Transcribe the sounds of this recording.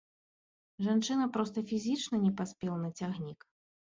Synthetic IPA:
ʐant͡ʂɨnɐpɾɔst̪ɐfʲizʲit͡ʂnɐnʲɛpasʲpʲɛlˠɐnɐt͡sʲaɣnʲik

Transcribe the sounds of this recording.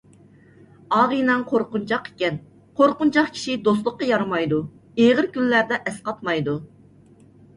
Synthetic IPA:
ɑːʁɨnɑŋqʰoɾqunt͡ʃʰɑqe̥kʲɛn | qʰoɾqʊnt͡ʃʰɑχkʲʰi̥ʃid̪oslˠəqːɑjɑɾmɑjd̪u | eʁəɾkʲylːæɾd̪ɛʔɛsqɑt̪mɑjd̪u

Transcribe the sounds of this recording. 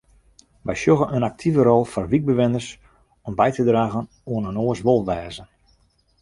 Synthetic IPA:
ʋɛjsjoɣənənak̚tʰivəɾɔlˠfɔrʋik̚bəʋɪnərs | ɔmbɛjtədraːɣən | uənənoəsʋolˠʋɛːzən

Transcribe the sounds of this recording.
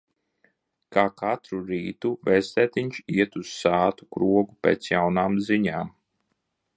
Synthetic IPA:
kaːkʰat̪ɾuɾiːt̪uvɛst̪ɛːt̪iɲʲt͡ʃiɛt̪uz̥saːt̪u̥kɾuɔɡupʲḛːt̪sjawnaːmziɲaːm

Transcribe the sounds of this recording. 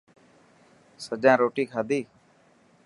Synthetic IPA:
səd͡ʒãːɾoːʈiːkʰaːd̪iː

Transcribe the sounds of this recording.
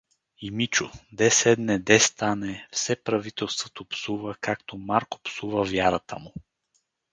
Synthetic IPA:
imit͡ʃʊd̪ɛsɛd̪nɛd̪ɛst̪anɛfsɛpɾɐvit̪ɛlˠst̪vot̪opsuvəkakt̪omaɾko̥psuvəvjaɾət̪əmʊ

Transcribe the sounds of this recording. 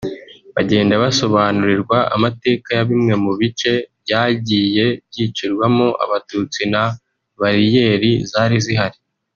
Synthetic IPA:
βaɟe̞ːndaβaso̞βaːnuɾiɾɡwaa̰mate̞ːkajaβimŋe̞muβit͡ʃe̞bɟaːɟiːje̞bɟiːt͡ʃuɾɡwamoʔa̰βatuːt͡sina | βaɾije̞ːɾizaːɾiziɦaɾi

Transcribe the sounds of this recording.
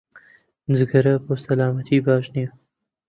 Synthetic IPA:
nzɨɡɐɾɐpoːsɐlaːmɐt̪ʰiːbaːʒniɐ

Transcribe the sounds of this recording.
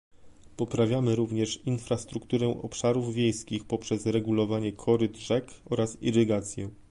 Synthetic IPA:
pɔpɾavʲjamɘɾuvɲɛʂinfɾast̪ɾukt̪uɾɛʔɔ̰pʂaɾuvvʲjejskʲixpɔpʂɛzɾɛɡulɔvaɲɛkʰɔɾɘd̪ʐɛkɔɾasḭɾɘɡat̪sʲjɛ

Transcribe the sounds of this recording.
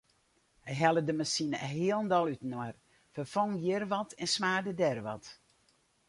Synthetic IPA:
hɛjɦɛlˠədəmasinəəɦiəlˠndɔlˠytnɔər | fərfɔŋjərʋɔtʰɛnsmaːrdədɛrʋɔ̰t

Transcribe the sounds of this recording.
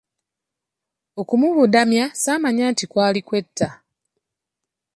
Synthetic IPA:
o̞kumuβudamjasaːmaɲaːntikwaːlikwe̞tʰːa

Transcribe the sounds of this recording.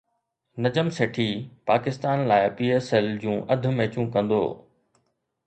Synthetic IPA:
nɐd͡ʑəmseːʈʰiːpaːkɪst̪aːnlaːɪpiːeːsɛːld͡ʑũːʔɐd̪ʱʊ̆mẽːt͡ɕũkɐ̃nd̪o̰ː

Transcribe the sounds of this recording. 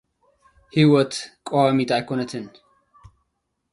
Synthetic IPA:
hiwɔt̪kʼoamit̪ʼajkʰonɐt̪ʰɨn

